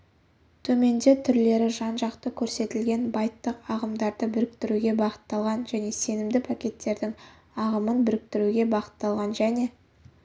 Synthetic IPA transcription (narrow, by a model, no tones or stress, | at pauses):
t̪ʰɵme̞nd̪e̞t̪ʰʏɾle̞ɾɪʒɑnʒɑqt̪əkʲʰɵɾse̞t̪ɪlɡʲe̞nbɑjt̪ːəqɑʁəmd̪ɑɾd̪əbʏɾɪkt̪ɪɾuɡʲe̞bɑqə̥t̪ːɑlˠʁɑnʒæne̞se̞nɪmd̪ɪpʰakʲe̞t̪ːe̞ɾd̪ɪŋ | ɑʁəmənbʏɾɪk̚t̪ɪɾuɡʲe̞bɑqə̥t̪ːɑlˠʁɑnʒæne̞